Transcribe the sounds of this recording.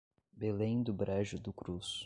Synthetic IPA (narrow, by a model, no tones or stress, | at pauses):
belẽj̃d̪ʊbɾɛʒʊd̪ʊkɾus